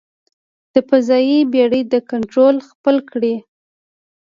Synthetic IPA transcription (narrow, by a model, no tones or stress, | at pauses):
d̪̥əpazɑjibeɽəd̪əkaɳʈɾolxpəlkɽi